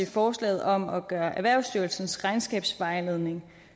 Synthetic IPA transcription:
efɒːslɛ̰ːð̞̩ˠɒ̽mɒ̽ɡ̥ɶːɐʔæʋæɐ̰ʊsd̥yɐlsn̩sʁɑ̈ɪnsɡ̥ɛ̰ːb̥sʋɑ̈ɪleð̞ˠne̝ŋ

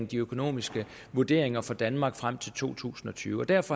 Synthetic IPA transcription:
ŋd̥iøkʰo̝no̝̰ːmisɡ̥ə | ʋuɐd̥e̝̰ɐeŋɐfɒ̽d̥ænmɑ̈ːɡ̥fʁam̰t͡sʰe̝lt͡sʰo̝̰ːt͡sʰṵːsn̩ɒ̽t͡sʰy̰ːʊɒd̥æɐfɒ̽

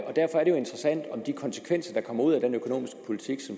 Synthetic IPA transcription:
ʔɒ̽d̥æɐfɒæɐɾ̥eo̝e̝nd̥ʁɐsæn̰d̥ɒ̽md̥ikʰɒ̽nsə̥kʰʋen̰sɐd̥ɑ̈kʰɒ̽m̰ɐuð̞̰ˠæd̥enøkʰo̝no̝̰ːmisɡ̥ə̥pʰo̝lit͡sʰiɡ̥sɒ̽m

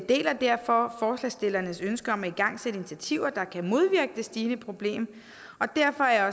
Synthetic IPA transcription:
d̥e̝̰ːlɐd̥æɐ̰fɒ̽fɒːslɛsd̥e̝lɐnəsønsɡ̥əɒ̽mæiɡ̥ɑ̈ŋ̰seɾ̥əinit͡sʰæt͡sʰiʊ̰ɐd̥ɑ̈kʰæmo̝ð̞ˠʋiɐɡ̥əd̥e̝sd̥iːnəpʰʁo̝b̥le̝̰ːm | ɒ̽d̥æɐ̰fɒ̽æɐjɒ̽

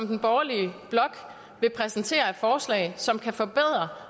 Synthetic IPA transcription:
md̥n̩b̥ɒːɐliəb̥lɒ̽ɡ̥ | ʋe̝pʰʁɛsn̩t͡sʰe̝̰ːɐæ̥fɒːslɛ̰ɪsɒ̽mkʰæfɒ̽b̥eð̞̰ˠʁɐ

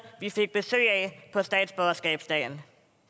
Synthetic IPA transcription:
ʋife̝ɡ̥̚b̥e̝sø̰ːɛɪpʰɒ̽sd̥ɛ̰ːd̥sb̥ɒsɡ̥ɛ̰ːb̥sd̥ɛ̰ːn

